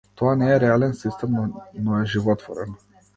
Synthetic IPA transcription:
t̪oaneeɾealensist̪emnoeʒivot̪vo̰ɾen

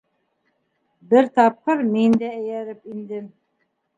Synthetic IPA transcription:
bɘɾt̪ɑp̚qɤɾmind̪ææjæɾɘpind̪ɘm

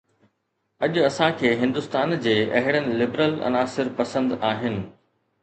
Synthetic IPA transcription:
ɐʄʊɐsãkʰeːɦɪ̃nd̪ʊst̪aːnd͡ʑeːɐɦɪɽənɪ̆lɪbɾəlɐ̰naːsɪɾpɐsə̃nd̪aːɦɪnɪ̆

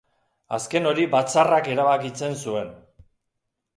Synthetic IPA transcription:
aske̞no̞ɾibat͡sarake̞ɾaβakit͡se̞nsue̞n

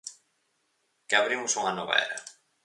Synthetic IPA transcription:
kɪaβɾimʊsuŋanɔβa̰ḛɾa

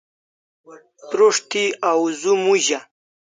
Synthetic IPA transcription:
pɾoʂt̪iawzumuʑa

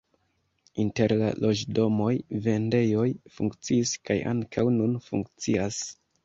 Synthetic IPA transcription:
inte̞ɾla̰lʔo̞d͡ʒdo̞mo̞jve̞nde̞jo̞jfuŋkt͡siːskajʔa̰ŋkʰawnunfuŋkt͡sias

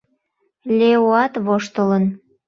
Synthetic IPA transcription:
lʲeoɑt̪βoʃt̪ələn

